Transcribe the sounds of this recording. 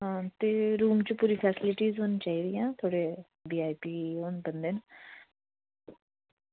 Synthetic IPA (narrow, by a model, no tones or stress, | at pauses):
ɦãːt̪eːɾuːmt͡ʃupuːɾiːpʰɛːsɪlɪʈiːzɦoːniːt͡ʃaːiːd̪ɪjãːt̪ʰoːɽeː | biːaːipiːɦoːnbənd̪eːn